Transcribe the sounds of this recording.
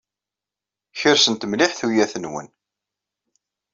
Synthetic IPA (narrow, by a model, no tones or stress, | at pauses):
çəɾsənt̪mliħθujæθənwə̰n